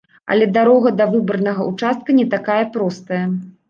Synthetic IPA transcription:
ɐ̰lʲɛd̪aɾɔɣɐd̪ɐvɨbɐrnɐɣɐʔut͡ʂast̪̚kɐnʲɛt̪akajɐpɾɔst̪ɐjɐ

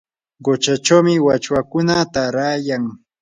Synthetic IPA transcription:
ɢot͡ʃat͡ʃawmɪwat͡ʃwakʊnat̪aɾaːjaŋ

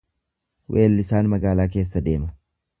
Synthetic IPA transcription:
wʔeːlːɪsaːnmɐɡaːlaːk̬e̞ːs̬ːɐd̪e̞ːmɐ

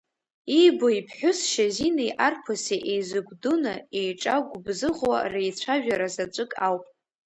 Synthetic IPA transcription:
iboipʰħʷᶣʊsʃazinajʔarpʰoseʔejzɨɡʷdunaejʈ͡ʂʼaɡʷʊbzɨʁwa̰rejt͡ɕʷʰaʒᶣaɾazat͡ʃʷʼɨkʼawpʼ

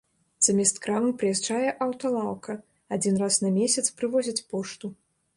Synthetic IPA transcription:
z̥ɐmʲɛst̪kɾamɨpɾɨjɛʐd͡ʐajɛʔɐwt̪ɐlˠawkʰɐ | ad͡zʲinrasnɐmʲesʲɐt̪spɾɨvɔzʲit͡sʲpɔʂt̪u

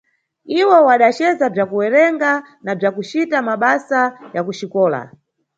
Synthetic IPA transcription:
iwɔwaɗat͡ʃɛzab͡ʐakuwɛɾɛŋɡa | nab͡ʐakut͡ʃitamaɓasajakuʃikɔːla̰

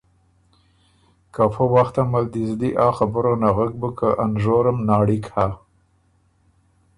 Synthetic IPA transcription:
kafəwaxt̪amald̪izd̪iʔɑxabəɾonaɣak̚bəkəʔanʒoɾəmnɑːɽikha

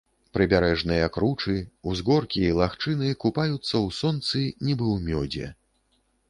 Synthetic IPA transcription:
pɾɨbʲaɾɛʐnɨjɐkɾut͡ʂɨuzɣɔrkʲiilˠaxt͡ʂɨnɨkupajut̪sːɐwsɔnt̪sɨnʲibɨwmʲɔd͡zʲɛ̰

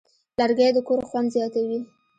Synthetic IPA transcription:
laɾɡajd̪əkoɾxwand̪zjɑt̪awi

